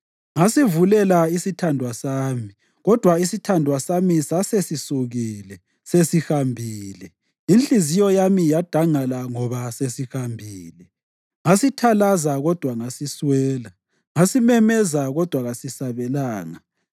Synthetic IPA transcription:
ŋasivulɛlaisitʰandʱwasaːmi | ɣɔd̥ʱwaisitʰandʱwasamisasesisuɣilɛ | sesihambʱiːlɛ | inɬʼizijɔjamijad̥ʱaŋalaŋɔβasesixambʱiːlɛ | ŋasitʰalazaɣɔd̥ʱwaŋasiswɛːla | ŋasimɛmɛzaɣɔd̥ʱwaɣasisaβɛlaːŋa

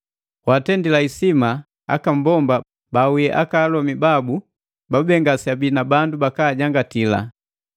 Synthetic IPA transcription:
watɛndilaisima | a̰kam̩bɔmba | baujɛʔa̰kaːlɔmibabu | babɛŋɡasabinabandubakaːɟaŋɡatila̰

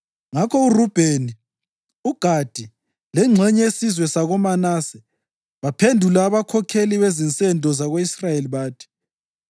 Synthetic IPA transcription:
ŋakʰɔurub̥ʱeni | uɡ̥ʱad̥ʱi | lɛŋ͡ǁʱɛɲɛesizwɛsaɣɔmanasɛ | βapʰendʱulaːβakʰɔkʰeliβezint͡sʼɛndʱʼɔzaɣoisrajeliβaːtʰi̥

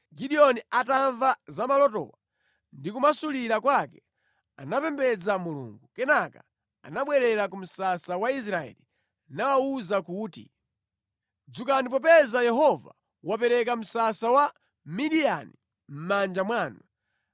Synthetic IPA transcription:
ɡiɗiɔniataɱvazamalɔtɔ̰wa | ndikumasuliɾakwakɛ | a̰napɛmbɛd͡zamulṵŋɡukɛnaka̰ | a̰naɓwɛɾɛɾakum̩sasawais̬ɾaɛ̰li | nawauzakuːtḭ | d͡zukanip̬ɔpɛzajɛɦɔva̰ | wapɛɾɛk̬am̩sasawa | miɗijanḭ | m̩mand͡ʒamwaːnu

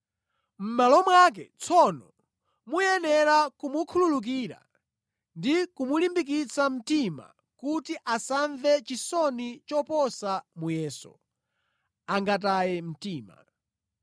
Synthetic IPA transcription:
m̩malɔmwak̬ɛ̰t͡sʰɔnɔ | mujɛnɛɾakumukʰululuk̬iːɾa̰ | ndikumulimbik̬it͡sam̩tima̰ | kutiʔasaɱvɛt͡ʃisɔnit͡ʃɔpɔsamujɛːsɔ̰ | aŋɡatajɛm̩tiːma̰

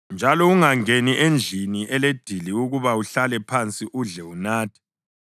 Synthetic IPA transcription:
nd͡ʒʱalɔuŋaŋeniʔend͡ɮʱiniʔɛled̥ʱiliuɣuβauɬalɛpʰant͡sʼiʔuɮɛunaːtʰi̥

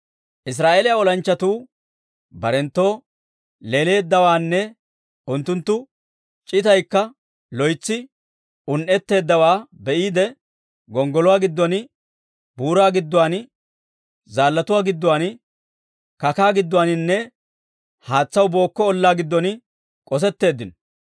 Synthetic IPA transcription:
ʔɪs̬ɾaːʔeːlɪjaːɔlɐnt͡ʃːɐt̪uː | bɐɾɛnt̪ːo̞ː | leːle̞ːd̪ːɐwaːnːɛ | ʊnt̪ːʊnt̪ːʊ | t͡ʃʼɪt̪ɐjkːɐ | lɔjt͡sːɪ | ʊnʔɛt̪ːe̞ːd̪ːɐwaːbɛʔiːd̪ɛ | ɡɔŋɡɔlʊwaːɡɪd̪ːɔnɪ | buːɾaːɡɪd̪ːʊwaːn | zaːlːɐt̪ʊwaːɡɪd̪ːʊwaːn | kɐkaːɡɪd̪ːʊwaːnɪnːɛ | haːt͡sːɐwbo̞ːkːɔːlːaːɡɪd̪ːɔnɪ | kʼɔs̬ɛt̪ːe̞ːd̪ːɪnɔ

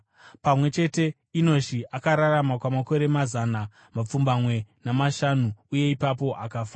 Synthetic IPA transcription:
pamwe̞t͡ʃe̞te̞ | ino̞ʃiʔakaɾaramakwamako̞ɾe̞mazana | map͡fumbamwe̞namaʃanuuje̞ipap̬o̞ʔa̰kafaː

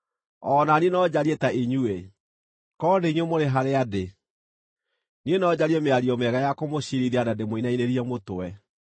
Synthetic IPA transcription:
ɔːnanienɔd͡ʑaɾiɛtaʔeɲue | kɔndeiɲwemoɾeɦaɾeade | nienɔd͡ʑaɾiɛmeaɾiɔmɛɣajakomoɕiɾiɾianademoinaineɾiɛmotoɛ

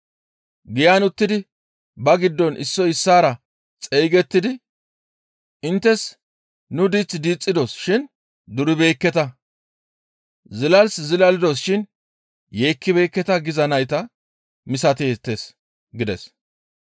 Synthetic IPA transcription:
ɡɪjaːnʊt̪ːɪd̪ɪ | bɐɡɪd̪ːɔnʔɪsːɔɪsːaːɾɐ | t͡sʼejɡɛt̪ːɪd̪ɪ | ɪnt̪ːɛs | nʊd̪it͡sːd̪iːt͡sʼːɪd̪ɔsʃɪn | d̪ʊɾɪbeːkːɛt̪ɐ | zɪlɐlszɪlɐlɪd̪ɔsʃɪn | jeːkːɪbe̞ːkːɛt̪ɐɡɪzɐnɐjt̪ɐ | mɪsɐt̪eːt̪ːes | ɡɪd̪ɛs

